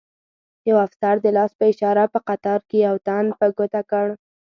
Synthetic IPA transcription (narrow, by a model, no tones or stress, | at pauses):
jawafsaɾd̪əlɑspəɪʃɑɾapəqat̪ɑɾkejawt̪and̪pəɡot̪akəɽ